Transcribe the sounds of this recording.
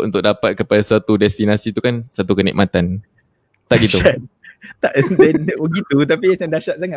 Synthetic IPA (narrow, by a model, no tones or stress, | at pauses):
unt̪ʊk̚dapat̪̚kəpadasat̪udɛst̪inasit̪ukansat̪ukənḭʔmat̪an | t̪aʔɡit̪ua | t̪aʔdɛbəɡit̪ut̪apiat͡ʃandaʃaʔ̪̚saŋaʔ